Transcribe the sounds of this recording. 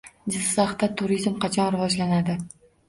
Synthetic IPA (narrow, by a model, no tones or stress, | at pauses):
d͡ʒɪzsaχt̪at̪ʰʊɾizmqʰɑt͡ʃʰɒnɾɪvɒd͡ʒlanad̪ɪ